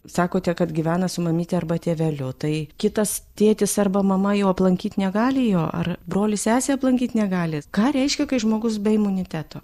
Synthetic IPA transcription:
sɑːkoːt̪ʲɛkɐt̪ɡʲɪʋʲæːnɐsʊmɐmʲiːt̪ʲɛɐrbɐt̪ʲeːʋʲɛlʲʊt̪ɐɪkʲɪt̪ɐst̪ʲeːt̪ʲɪsɐrbɐmɐmɐjɛʊɐplˠɐŋʲkʲiːt̪ʲnʲɛɡɑːlʲɪjoːʔɐ̰rbɾoːlʲɪsʲæːsʲeːɐplˠɐŋʲkʲiːt̪ʲnʲɛɡɑːlʲɪkɑːɾʲɛɪʃʲkʲɛkɐɪʒmoːɡʊsbʲɛɪmʊnʲɪt̪ʲæːt̪oː

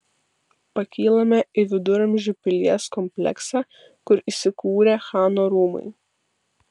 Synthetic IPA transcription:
pɐkʲiːlˠɐmʲɛɪʋʲɪd̪ʊɾɐmʲʒʲʊpʲɪlʲiɛskɔmʲpʲlʲɛ̰ksɑ | kʊɾisʲɪkuːɾʲeːxɑːnoːɾuːmɐ̰ɪ

